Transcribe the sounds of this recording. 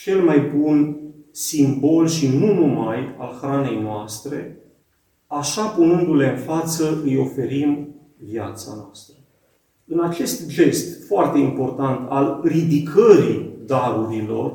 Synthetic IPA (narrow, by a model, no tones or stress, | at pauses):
t͡ʃe̞lmajbunsimbo̞lʃinunumajalxɾane̞jnoast̪ɾe̞ | aʃapunɨnd̪ule̞ɨnfat̪səɨjo̞fe̞ɾim | via̰t̪sa̰noast̪ɾə | ɨnat͡ʃe̞st̪d͡ʒe̞st̪foart̪e̞impo̞rt̪ant̪alrid̪ikʰəɾid̪aɾuɾilo̞r